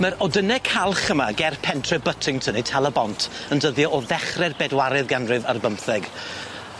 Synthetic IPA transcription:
məɾɔdənɛkʰalˠχəmaɡɛrpʰɛntʰrɛbətʰɪŋtʰənitʰalˠəbɔntʰəndəðjɔʔɔðɛχrɛrbɛdwaɾɨðɡanrɨvarbəmθɛɡ

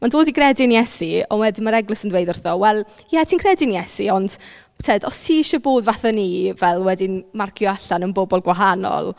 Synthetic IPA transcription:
mandoːdiɡrɛdɪnjɛsiɔ̰nwɛdɪmaɾɛɡlˠɨsəndweɨdʊrθɔwɛlˠ | jɛtʰiːnkʰrɛdɪnijɛsiɔnd̥ | tʰedɔstʰiːɪʃɔboːdvaθanivɛlˠwɛdɪmarkʰjɔaɬanənbɔbɔlˠɡwaɦanɔ̰lˠ

